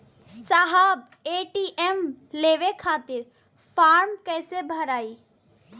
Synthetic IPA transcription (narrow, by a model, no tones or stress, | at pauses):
saɦab | eːʈiʔemleːʋekʰaːt̪ɪɾ | pʰaːɾmkɛːsebʱəɾaːiː